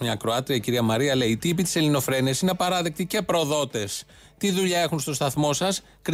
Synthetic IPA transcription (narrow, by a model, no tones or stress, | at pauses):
ɲɐːkɾo̞ɐt̪ɾiɐciɾiɐmɐɾiɐle̞iːt̪ipit̪i̥se̞lino̞fɾe̞niɐsineɐpɐɾɐðe̞k̚t̪ice̞pɾo̞ðo̞t̪e̞s | t̪iðuʎɐe̞xunst̪o̞st̪ɐθmo̞sɐs | kɾ